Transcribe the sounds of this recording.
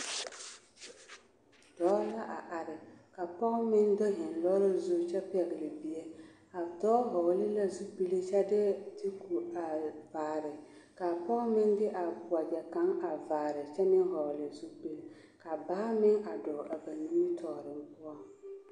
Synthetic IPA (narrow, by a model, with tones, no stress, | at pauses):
d̥ɔː˨˦la˦ʔa˨ʔa˨ɾɪ˨ka˨pɔ˦ɣʊ˦mɪ˦ndɔ˦ɦɪ˨nlɔ˦ɾɪ˦zʊ˦t͡ʃɛ˦pɛ˨ɣɪ˨lɪ˨bi˨ɛ˦ | a˨tɔː˦ɦɔ˨ɣlɪ˦la˦zu˦bi˦le˦t͡ʃɛ˦dɪ˦tɪ˦ku˨a˨vaː˨ɾɪ˨ka˨pɔ˦ɣmɪ˦ndɪ˦ʔa˨bʊ˨a˨bɛ˨ka˦ŋa˨vaː˨ɾɪ˨t͡ʃɛ˦nɪ˦ɦɔ˨lɪ˨zu˦bi˦l | ka˨baː˦mɪ˦ŋa˨dɔ˨ʔa˨ba˨nu˦mi˦tʰɔ˨ɾɪ˨m˦pʊ˦a˦ŋ